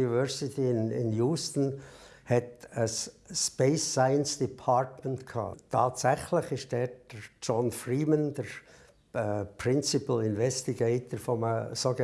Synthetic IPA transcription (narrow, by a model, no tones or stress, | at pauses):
ivœɹsɪtʰiɪnɪ̰njuːstən̩hɛtəsːpeɪsːaɪənsd̥ipʰɑɹtməntkʰɑ̰ːtʰɑːtsɛχlɪçɪstdɛːd̥ət͡ʃɔnfriːmənd̥əɾ | pɾɪnt͡sɪpəlɪnvɛstiɡeɪtəɾfɔməsoːɡə